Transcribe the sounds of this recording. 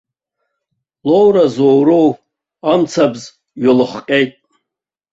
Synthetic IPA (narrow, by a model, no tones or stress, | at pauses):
lowɾazowɾow | amt͡sʰabz | ɥɪlɨχqʲʼejtʼ